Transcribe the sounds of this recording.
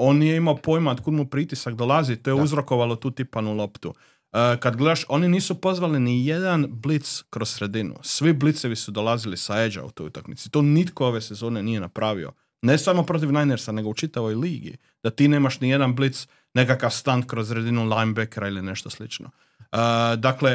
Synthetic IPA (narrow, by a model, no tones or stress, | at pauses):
o̞ːnjeimaopo̞jmaot̪kud̪mupɾit̪isakd̪olazit̪ojeuzɾo̞ko̞ʋalˠo̞t̪uːt̪ipanulo̞pt̪u | əkad̪ɡle̞d̪aʃo̞niniːsupo̞zʋalinije̞d̪anblit̪skɾossɾe̞d̪inṵsʋiblit̪seʋisud̪o̞lazilisaed͡ʒa̰ṵt̪o̞ːjut̪akmit̪sit̪oːnit̪koo̞ʋe̞se̞zo̞ːnenije̞napɾaʋḭo̞̰ | nesamo̞pɾo̞t̪̬iʋnajneɾsane̞ɡout͡ʃit̪aʋo̞jliːɡḭ | d̪̥at̪iːneːmaʃnije̞d̪anblit̪s | ne̞kakaʋst̪ankɾozɾe̞d̪inulˠajmbekeɾailine̞ʃt̪oslit͡ʃno̰ | əd̪akle̞